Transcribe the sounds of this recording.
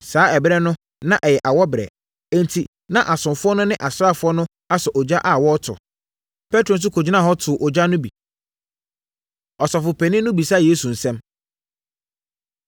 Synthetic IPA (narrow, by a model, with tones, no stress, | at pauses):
saː˨˦ɛ˨bɾɛ˦nʊ̃˦ | nã˦˨ʔɛ˨jɛ˨ʔa˨wɔ˦bɪ˨ɾɛ̰˨ | ɛ̃˦˨n˨tʰi˨ | nã˦ʔa˨sʊ̃˨mfʊ˦ɔ˦nʊ̃˦nɪ̃˦ʔa˨sʊ˦ɾa˦˨fʊ˦ɔ˦nʊ̃˦ | a˦sɔ˨ʔɔ˨d͡ʑa˦ʔa˨wɔ˦tʰʊ̰˨ | pʰɛ˦tɾo˨n̩˦s̬ʊ˦kʰo˨d͡ʑɪ˦nã˦˨ɦɔ˦tʰʊ˨ʔɔ˨d͡ʑa˦nʊ̃˦bi˨ | ɔ˨sɔ˨fʊ˨pʰɛ˨nɪ̃˦nʊ̃˦bi˨sa˦˨jeː˦su˨n̩˨sɛ̃˦m